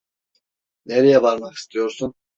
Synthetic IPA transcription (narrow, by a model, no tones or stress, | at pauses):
neɾejɛvaɾmaqi̥st̪ʰijo̞ɾsun